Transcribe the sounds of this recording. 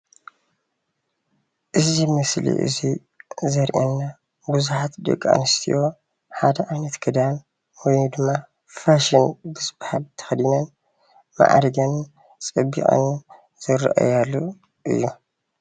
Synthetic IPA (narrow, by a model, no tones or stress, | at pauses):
ʔɨzimɨslḭʔɨ̰zi | zɐɾʔɛnːa | bɨzuħat̪d̪ɨ̰ɡʼa̰nɨst̪ʰḭjʔo̞ | ħad̪ɐʔajnɐt̪kʰɨd̪an | wɔjnd̪ɨmːa | faʃɨnbɨsɨbhalt̪ʰɐ̥xd̪inɐn | ma̰ʔa̰ɾɡɐn | t͡sʼɐbːḭχʼɐ̰n | z̥ɨɾʔa̰jalːu | ʔɨ̰jːu